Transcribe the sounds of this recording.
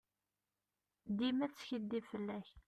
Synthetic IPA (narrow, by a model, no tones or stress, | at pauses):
d̪imæt͡sːçəd̪ːivfəlːæç